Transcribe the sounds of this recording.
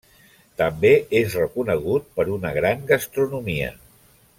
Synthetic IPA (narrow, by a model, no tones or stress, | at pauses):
t̪əmbeezrəkunəɣ̞ut̪̚pəɾunəɣɾaŋɡəst̪ɾunumiə̰